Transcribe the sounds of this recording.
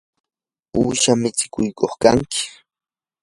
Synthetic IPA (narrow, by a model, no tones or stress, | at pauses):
uːʃamɪt͡sɪ̥kʊjkoχka̰ŋkɪ̥